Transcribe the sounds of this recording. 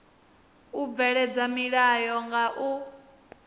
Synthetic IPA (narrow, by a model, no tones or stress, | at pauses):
ub̪vɛɺɛd͡zamiɺajɔŋɡaʔu